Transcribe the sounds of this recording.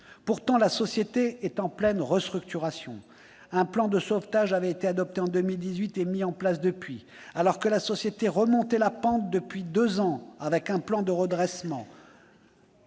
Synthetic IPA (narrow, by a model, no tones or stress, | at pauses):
puʁt̪ɑ̃lasɔsjet̪eɛt̪ɑ̃plɛnʁəst̪χykt̪yʁasjɔ̰̃ | ɛ̃plɑ̃d̪əsoft̪aʒavɛet̪ead̪ɔp̚t̪eɑ̃d̪əmild̪izɥit̪emiɑ̃plas̬d̪əpɥi | alɔʁkəlasɔsjet̪eʁəmɔ̃t̪ɛlapɑ̃t̪̚d̪əpɥid̪øzɑ̃avɛkɛ̃plɑ̃d̪əʁəd̪ʁɛsmɑ̃